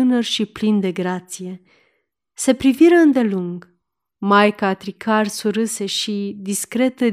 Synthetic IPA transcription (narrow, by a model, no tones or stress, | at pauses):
ɨnərʃiplind̪e̞ɡɾat̪sije̞ | se̞pɾiviɾəɨnd̪e̞luŋɡ | majkaːt̪ɾikʰarsuɾɨse̞ʃid̪iskɾe̞t̪ə